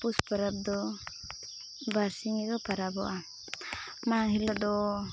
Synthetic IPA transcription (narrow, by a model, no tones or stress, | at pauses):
puspəɾab̚d̪ɔ | baɾsiŋiɡɔpaɾabɔ̰ʔa | maŋɦilad̪ɔ